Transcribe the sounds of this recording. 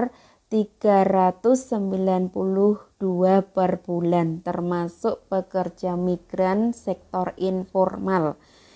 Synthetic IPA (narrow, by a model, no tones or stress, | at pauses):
r | t̪iɡ̥aɾat̪ʊsːəmbilanpulʊhd̥uapərb̥ulant̪ərmasʊʔpəkərd͡ʒamiɡ̥ɾansɛk̚t̪ɔrinfɔrmal